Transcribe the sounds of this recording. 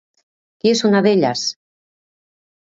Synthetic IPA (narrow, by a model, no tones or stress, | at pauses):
kiesunaðeʎa̰s